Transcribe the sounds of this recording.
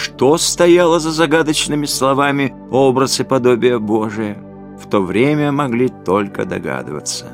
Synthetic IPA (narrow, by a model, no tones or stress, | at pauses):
ʂt̪ost̪ɐjalˠəzəzɐɡad̪ət͡ɕnɨmʲɪslˠɐvamʲɪ | obɾəsɨpɐd̪o̞bʲɪjəboʐɨjə | ft̪ovɾʲemʲəmɐɡlʲit̪olʲkə̰d̪ɐ̰ɡa̰d̪ɨ̰və̰t̪sə